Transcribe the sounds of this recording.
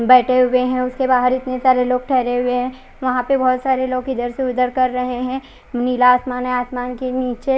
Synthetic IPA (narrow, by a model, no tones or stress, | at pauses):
bɛːʈʰeɦʊeɦɛ̃ʊskebaːɦəɾɪt̪nesaːɾeloːɡ̚ʈʰɛːɾeɦʊeɦɛ̃ | ʋɐɦãpebɔːt̪saːɾeloːɡɪd̪əɾseʊd̪əɾkɐɾːɐɦeɦɛ̃ | mniːlaːsmaːnɦɛ̃aːsmaːnkeniːt͡ʃe